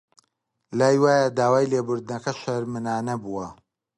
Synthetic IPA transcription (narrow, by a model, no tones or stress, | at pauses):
laːjwaːjɐd̪aːwaːjlebʊɾd̪nɐkɐʃɐɾmɨnaːnɐbuwɐ